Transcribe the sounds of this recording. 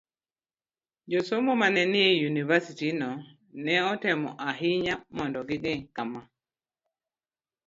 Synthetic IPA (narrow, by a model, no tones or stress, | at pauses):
d͡ʒosomomanɛnɪejunivasitinɔ | nɛɔtemɔʔaɦɪɲamɔndɔɡɪɡɛkama